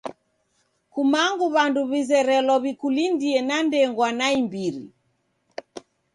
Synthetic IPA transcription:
kumaŋɡuβanduβizɛɾɛlɔβikulindiɛnandɛŋɡwanaimbiɾḭ

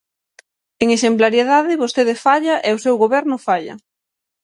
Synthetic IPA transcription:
eŋeʃemplaɾjeðaðɪβost̪eðɪfaʎɐʔɛosewɣoβɛɾnʊfaʎɐ̰

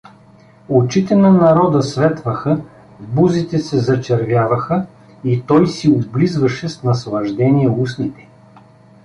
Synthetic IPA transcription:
ot͡ʃit̪ɛnɐnɐɾɔd̪əsvɛt̪vɐxə | vbuzit̪ɛsɛzɐt͡ʃɛɾvʲjavɐxə | it̪ɔjsiod̪blizvɐʃɛsnɐslˠɐʒd̪ɛniɛusnit̪ɛ̥

